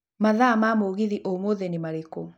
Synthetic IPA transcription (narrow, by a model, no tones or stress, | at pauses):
maðamamoɣiðiʔomoðɛnemaɾekɔ